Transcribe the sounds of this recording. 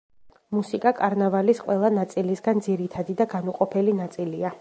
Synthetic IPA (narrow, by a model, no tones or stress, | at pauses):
musikʼakʼaɾnavalisqʼwɛlˠanat̪sʼilisɡand̪ziɾit̪ʰad̪id̪aɡanuqʼɔpʰɛlinat̪sʼilia